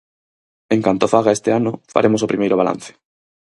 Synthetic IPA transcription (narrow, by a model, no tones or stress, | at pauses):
eŋkant̪ofaɣ̞aest̪eanofa̰ɾʔemosopɾimejɾoβ̞alã̰n̟θe̥